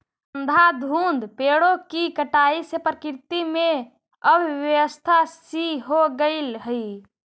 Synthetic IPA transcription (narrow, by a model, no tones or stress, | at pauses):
ənd̪ʱad̪ʱund̪peɽokikəʈaisepɾəkɾt̪ime | əbʱʋjəəst̪ʰasiɦoɡəɪlɦəj